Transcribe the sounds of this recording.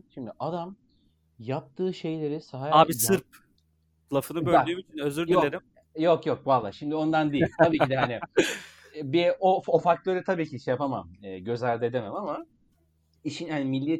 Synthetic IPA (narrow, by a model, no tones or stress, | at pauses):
ʃimd̪iʔad̪am | jap̚t̪ʰɯːʃe̞jlʲe̞ɾisaɦaaːbisɯɾp̚ | klˠafɯnɯbølʲayːmit͡ʃʰinøzyɾdj̪ynlʲeɾim | jokjok̚valˠːa̰ːʃimd̪io̞nd̪and̪ejilʲt̪ʰabiːcid̪ɛɦanɪ | biofofakt̪ˠøɾd̪ɛt̪ʰabiːcʰiʃejapama̰mɯːɟø̞zʲæɾd̪ed̪inamˠama | iʃinhanimilʲːi